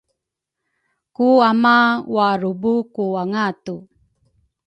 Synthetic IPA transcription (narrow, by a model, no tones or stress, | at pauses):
kuamawaɾubukuaŋatu